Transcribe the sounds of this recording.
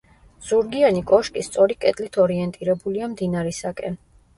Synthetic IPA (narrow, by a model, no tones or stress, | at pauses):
z̥uɾɡianikʼɔʃkʼist̪sʼɔɾikʼɛt̪ʼlit̪ʰɔɾiɛnt̪ʼiɾɛbuliamd̪inaɾɛsakʼɛn